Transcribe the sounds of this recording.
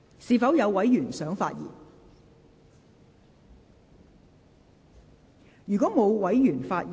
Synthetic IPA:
siː˨˧fɐ˨˥wjɐ˨˧wwɐ˨˥jyː˨˩nsœː˨˥ŋfa̰ː˧t̚jḭː˨˩n | jyː˨kɔː˨˥mo˨˧wwɐ˨˥jjyː˨˩nfaː˧t̚

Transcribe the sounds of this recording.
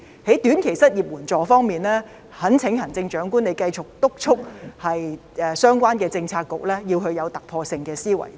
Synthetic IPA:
he˨˥jt̪yː˨˥nkʰe˨˩jsɐ˥t̚jiː˨p̚wuː˨˩nt͡ʃɔː˨˩fɔː˥ŋmiː˨nlɛː˥ | hɐ˨˥nt͡sʰɪ˨˥ŋhɐ˨˩ŋt͡sɪ˧ŋt͡ʃœː˨˥ŋkuː˥nle˨˧jkɐ˧jt͡sʊ˨˩k̚t̪ʊ˥k̚t͡ʃʰʊ˥k̚hɐ˨j | ɛː˨sœː˥ŋkʷaː˥nkɛː˧t͡sɪ˧ŋt͡sʰaː˧t̚kːʊ˨k̚lɛː˥jiː˧whɵ˧ɥjɐ˨˧wt̪ɐ˨k̚pʰɔː˧sɪ˧ŋkɛː˧siː˥wɐ̰˨˩j

